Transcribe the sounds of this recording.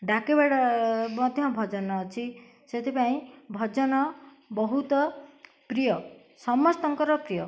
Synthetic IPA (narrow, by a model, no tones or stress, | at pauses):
ɖakebaɽɔmɔd̪ʱjɔbʱɔd͡ʒɔnɔːt͡ʃʰi | set̪ʰipaĩbʱɔd͡ʒɔnɔ | bɔɦut̪ɔ | pɾijɔ | sɔmɔst̪ɔŋkɔɾɔpɾijɔ